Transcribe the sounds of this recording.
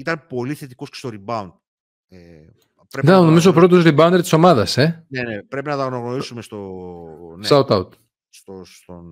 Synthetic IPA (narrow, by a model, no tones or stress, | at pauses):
it̪ɐnpo̞liθe̞t̪iko̞skcest̪oɾibɐund̪̚ | e | pɾeðenɐnomisopɾo̞t̪̬o̞zɾibɐund̪eɾt̪iso̞mɐðɐse̞nenepɾe̞pinɐt̪ɐɣnoɣnoɾisumest̪o | nsaut̪ɐwt̪ | st̪ost̪on